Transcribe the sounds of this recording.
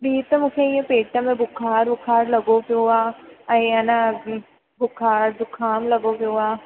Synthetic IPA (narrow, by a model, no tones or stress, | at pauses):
biːt̪ɐmʊkʰeiẽpeːʈamẽbʊkʰaːɾbʊkʰaːɾlɐɡopeuaːɐiana | bʊkʰaːɾd̪ʊkʰaːmlɐɡopeʊaː